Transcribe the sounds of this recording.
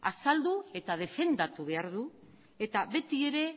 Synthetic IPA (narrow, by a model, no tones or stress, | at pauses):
a̰sald̪ue̞t̪að̞e̞fe̞nd̪at̪uβe̞aɾðu | e̞t̪aβe̞t̪ie̞ɾe̞